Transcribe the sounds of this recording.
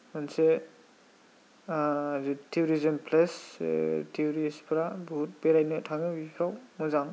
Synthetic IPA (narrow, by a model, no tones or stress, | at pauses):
manse | zitʰiuɾizɔmpʰles | tʰiuɾispʰɾabuut̚beɾajnɯtʰaŋɯbipʰɾawmɔzaŋ